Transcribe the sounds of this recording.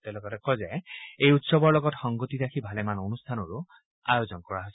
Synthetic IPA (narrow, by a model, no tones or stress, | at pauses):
tɛlɔkɔtɛkɔzɛejutsɔbɔɹlɔɡɔtxɔŋɡotiɹakʰibʱalɛmanonustʰanɔɹʊ | a̰jozɔnkɔɹaɦojs